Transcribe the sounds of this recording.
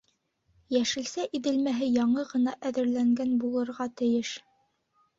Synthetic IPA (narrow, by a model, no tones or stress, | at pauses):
jæʃɘ̆lsæʔiðɘ̆lmæɦɘjɑɴɤʁɤ̆nɑʔæðɘ̆ɾlæŋɡænbulˠɤ̆ɾʁɑt̪ɘ̆jɘʃ